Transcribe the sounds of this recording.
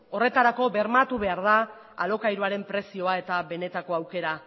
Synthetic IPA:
o̞re̞t̪aɾako̞be̞ɾmat̪uβe̞aɾð̞a | a̰lo̞kajɾuaɾe̞mpɾe̞sio̞ae̞t̪aβe̞ne̞t̪ako̞awke̞ɾa

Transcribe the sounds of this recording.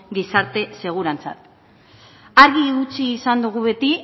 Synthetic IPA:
ɡisaɾt̪e̞se̞ɣ̞uɾant͡sa̰t̪ | aɾɣiut͡siːsand̪uɣ̞uβe̞t̪i

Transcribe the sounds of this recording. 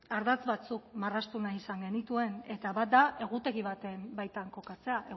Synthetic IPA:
aɾðat͡sβat͡sukmarast̪unaisaŋɡe̞nit̪ue̞ne̞t̪aβat̪̚d̪aʔe̞ɣ̞ut̪e̞ɣiβat̪e̞mbajt̪aŋko̞kat͡se̞aʔe

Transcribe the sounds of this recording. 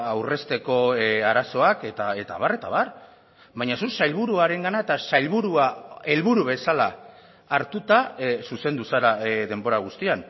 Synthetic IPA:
awre̞st̪e̞ko̞aɾaso̞ake̞t̪ae̞t̪aβare̞t̪a̰βar | bajɲasusajlβuɾuaɾe̞ŋɡanae̞t̪asajlβuɾuae̞lβuɾuβe̞salaː | ɾt̪ut̪asuse̞nd̪usaɾaðe̞mbo̞ɾaɣ̞ust̪ian

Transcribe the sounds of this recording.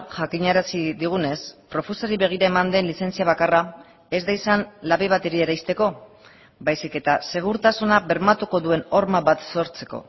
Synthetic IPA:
ʝakiɲaɾasiðiɣ̞une̞spɾo̞fesoɾiβe̞ɣ̞iɾaemand̪e̞nlise̞nt͡siaβ̞akara | e̞zd̪ajsanlaβeβat̪eɾeeɾajst̪e̞ko̞ | bajsike̞t̪ase̞ɣ̞uɾt̪asunaβe̞ɾmat̪uko̞ðue̞no̞ɾmaβat̪so̞ɾt͡se̞̥ko̞̰

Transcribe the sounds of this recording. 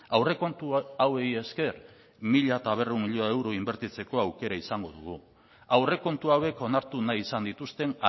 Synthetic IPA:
awre̞ko̞nt̪uaweje̞ske̞r | miʎat̪aβ̞e̞remiʎoewɾoimbe̞ɾt̪it͡se̞ko̞awke̞ɾaisaŋɡo̞ðuɣ̞u | awre̞ko̞nt̪uawe̞ko̞naɾt̪unajisand̪it̪ust̪e̞n

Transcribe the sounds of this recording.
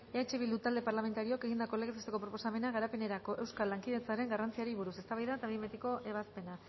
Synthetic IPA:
eat͡ʃeβild̪ut̪ald̪e̞paɾlame̞nt̪aɾio̞keɣind̪ako̞leɣsast̪eko̞pɾopo̞same̞naɣaɾape̞ne̞ɾako̞ʔe̞wskalːaŋkið̞e̞t͡saɾe̞ŋɡarant͡siaɾiβuɾuse̞st̪aβajðaet̪aβimet̪iko̞ʔe̞βaspe̞na

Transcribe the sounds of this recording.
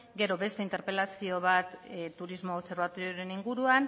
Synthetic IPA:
ɡe̞ɾo̞βe̞st̪e̞int̪e̞ɾpe̞lasio̞β̞at̪t̪ːuɾizmoonse̞ɾβat̪oɾjoɾe̞niŋɡuɾuan

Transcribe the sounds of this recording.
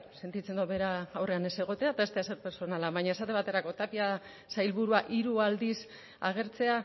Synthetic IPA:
se̞nt̪it͡se̞nd̪oβe̞ɾaːwre̞ane̞se̞ɣ̞o̞t̪e̞at̪aest̪easeɾpe̞ɾso̞nalaβaɲae̞sat̪e̞βat̪e̞ɾako̞t̪apia | sajlβuɾuaʔiɾuald̪is | aɣ̞e̞ɾt͡se̞a

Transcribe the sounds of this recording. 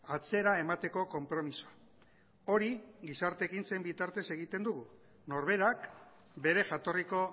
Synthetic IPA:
at͡se̞ɾae̞mat̪e̞ko̞ko̞mpɾo̞misoa | o̞ɾiɡisaɾt̪e̞kinse̞mbit̪aɾt̪e̞se̞ɣ̞it̪e̞nd̪uɣu | no̞ɾβe̞ɾak | be̞ɾe̞ʝat̪o̞riko̞

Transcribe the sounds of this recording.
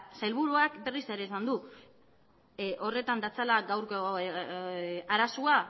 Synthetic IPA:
sajlβuɾuakbe̞rise̞ɾe̞ːsand̪u | ʔo̞re̞t̪and̪at͡salaɡawɾko | aɾasua

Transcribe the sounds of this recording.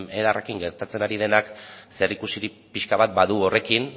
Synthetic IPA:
meðarekiŋɡe̞ɾt̪at͡se̞naɾið̞e̞nakseɾikusiɾi | piʃkaβat̪̚baðuo̞re̞kin

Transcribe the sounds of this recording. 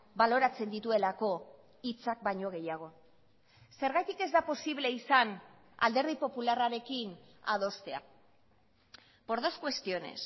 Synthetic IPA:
balo̞ɾat͡se̞nd̪it̪ue̞lako̞ | it͡sak̚baɲo̞ɣ̞e̞jaɣ̞o̞ | se̞ɾɣajt̪ike̞zd̪apo̞siβle̞isan | a̰ld̪e̞ɾð̞ipo̞pularaɾe̞kin | a̰ð̞o̞st̪e̞a̰ | po̞ɾðoskwe̞st̪io̞ne̞̰s

